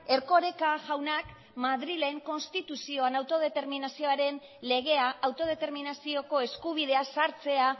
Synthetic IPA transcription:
e̞ɾko̞ɾe̞kaʝawnak | maðɾile̞ŋko̞nst̪it̪usio̞anawt̪o̞ð̞e̞t̪e̞ɾminasio̞aɾe̞n | le̞ɣ̞e̞aʔawt̪o̞ð̞e̞t̪e̞ɾminasio̞ko̞e̞skuβ̞iðe̞asaɾt͡se̞a

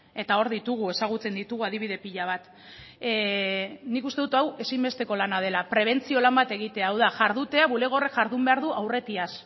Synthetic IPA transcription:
e̞t̪ao̞ɾðit̪uɣ̞ue̞saɣ̞ut͡se̞nd̪it̪uɣuaðiβ̞iðe̞piʎaβ̞at̪ | nikust̪e̞ðut̪awe̞simbe̞st̪e̞ko̞lanað̞e̞lapɾe̞β̞e̞nt͡sio̞lambat̪e̞ɣ̞it̪e̞aːwðaʝaɾðut̪e̞aβule̞ɣ̞o̞rekʝaɾðumbe̞aɾð̞uʔawre̞t̪ias

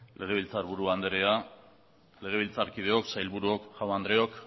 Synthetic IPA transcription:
lʔe̞ɣ̞e̞βilt͡saɾβuɾuand̪eɾea | le̞ɣ̞e̞β̞ilt͡saɾkið̞e̞o̞ksajlβuɾuo̞kʝawnand̪ɾe̞o̞k

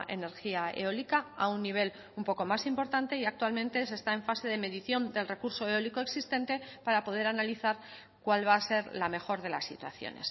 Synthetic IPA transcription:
ʔe̞̰ne̞ɾxiaḛo̞likaa̰unːiβ̞e̞l | umpo̞ko̞masimpo̞ɾt̪ant̪e̞iakt̪walmẽ̞nt̪e̞se̞st̪ae̞ɱfase̞ðe̞me̞ðiθjo̞nd̪e̞lre̞kuɾso̞eo̞liko̞eksist̪ẽ̞nt̪e̞paɾapo̞ð̞e̞ɾanaliθaɾ | kwalβaːse̞ɾlame̞xo̞ɾðe̞la̰sːḭt̪wa̰θjo̰ne̞̰s

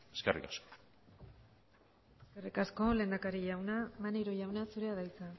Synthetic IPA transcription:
eskerḭkasko̥ | eskerikasko̞le̞ːnd̪akaɾiʝawnamaniɾoʝawnasuɾe̞aðajt͡sa

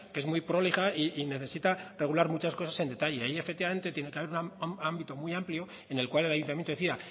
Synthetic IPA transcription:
kee̞zmujpɾo̞liɣaiːne̞θe̞sit̪are̞ɣ̞ulaɾmut͡ʃasko̞sase̞nd̪e̞t̪aʝeajie̞fek̚t̪ːiβame̞nt̪et̪je̞nekeaβe̞ɾunaambit̪o̞mujampljo̞ | e̞ne̞lkwale̞lajunt̪amjent̪oθiða

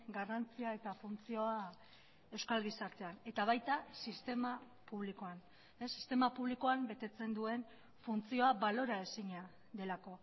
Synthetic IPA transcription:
ɡarant͡siae̞t̪afunt͡sio̞a | e̞wskalɣisaɾt̪e̞ane̞t̪aβ̞ajt̪asist̪e̞ma | puβ̞likoan | esːi̥st̪e̞mapuβliko̞ambe̞t̪e̞t͡se̞nd̪ue̞n | funt͡sio̞aβalo̞ɾaesiɲa | d̪e̞lako̞

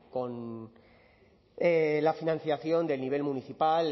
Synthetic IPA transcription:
ko̞n | elafinãn̟θjaθjo̞nd̪e̞lniβ̞e̞lmuniθipal

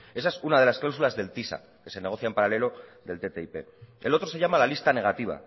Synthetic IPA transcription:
e̞s̬aesunað̞e̞lasklaws̬ulazðe̞lt̪isa̰ | ke̞se̞ne̞ɣ̞o̞θjaempaɾale̞lo̞ðe̞lt̪et̪eipe̞̰ḛlo̞t̪ɾo̞se̞ʝamalalist̪ane̞ɣ̞at̪iβ̞a̰

